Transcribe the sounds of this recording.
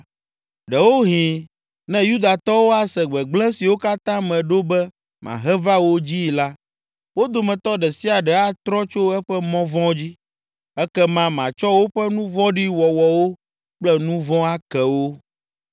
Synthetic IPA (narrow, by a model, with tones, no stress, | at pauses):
ɖɛ˨wo˦ɦĩ˨ | nɛ̃˦ju˦d̪a˨t̪ɔ˦wo˦a˨sɛ˨ɡ͡bɛ˨ɡ͡blɛ̃˦si˨wo˦ka˦t̪ã˦mɛ̃˨ɖo˦bɛ˦ | mã̰˨ɦɛ˦va˦wo˦d͡ʑi˦˨la˦ | wo˦d̪o˨mɛ̃˨t̪ɔ˦ɖɛ˨si˦a˨ɖɛ˨a˦t̪ɾɔ˦t͡ʃo˦ɛ˦ɸɛ˦mɔ̃˦vɔ̃˦d͡ʑi˦ | ɛ˦kɛ˦mã˦mã˨t͡ʃɔ˦wo˦ɸɛ˦nũ˦vɔ̃˦ɖi˦wɔ˨wɔ˨wo˦ | k͡plɛ˦nũ˦vɔ̃˦a˦kɛ˨wo˦